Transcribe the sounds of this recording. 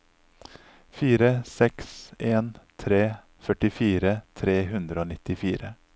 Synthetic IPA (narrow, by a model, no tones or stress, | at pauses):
fiːɾəsɛkseːnt̪ʰɾeː | fœʈɪfiːɾət̪ʰɾeːɦʉnd̪ɾəoːnɪt̪ɪfiːɾə